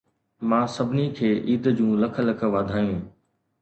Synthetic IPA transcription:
mãːsɐbʱɪnikʰeːʔiːd̪d͡ʑũːlɐkʰəlɐk̆ʰʋaːd̪ʱaːjũ

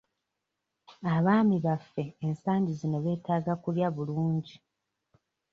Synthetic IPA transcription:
aβaːmiβafːe̞ːnsaːɲɟizino̞βe̞ːtaːɡakuljaβuluːɲɟi

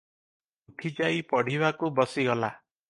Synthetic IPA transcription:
uʈʰid͡ʒaipɔɽ̤ibakubɔsiɡɔla

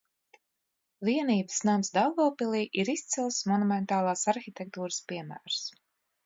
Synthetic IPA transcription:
viɛniːbɨsnamsd̪alˠɡɔːpilˠiːʔiɾist̪silˠsmɔnumɛnt̪aːlˠaːsaɾxit̪ʲɛk̚t̪uːɾɨspiɛmæ̰ːɾs

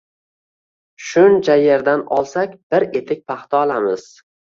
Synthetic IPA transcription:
ʃʊnt͡ʃʰaje̞ɾd̪anɒlˠsakʲb̥ɪɾet̪ʰɪk̚ʲpʰaχt̪ʰɒːlˠamɪz̥

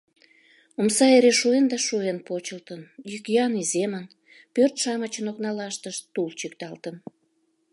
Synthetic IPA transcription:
omsɑeɾeʃuend̪ɑʃuenpot͡ɕəlt̪ənjykjɑnizemən | pørt̪ʃɑmət͡ɕənoknɑlɑʃt̪əʃt̪ult͡ɕykt̪ɑlt̪ən

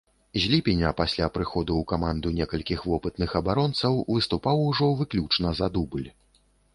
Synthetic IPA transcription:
zʲlʲipʲinʲɐpasʲlʲapɾɨxɔd̪uːkamand̪unʲɛkɐlʲkʲixvɔpɨt̪nɨxɐbaɾɔnt̪sɐwvɨst̪upawuʐɔvɨklʲut͡ʂnɐzɐd̪ubɨlʲ

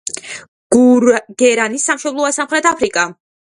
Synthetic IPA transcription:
ɡ̥uɡ̥ɛɾanisːamʃɔblˠɔasamχɾɛt̪ʰapʰɾikʼa

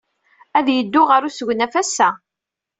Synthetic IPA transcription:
æðjəd̪ːʊʁəɾusəɡʷnæfæsːæ

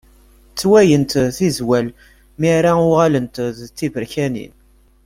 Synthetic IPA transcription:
t͡sːwæjənt̪θizwæl | miɾaʊʁalənt̪ðt͡sːivəɾçænḭn

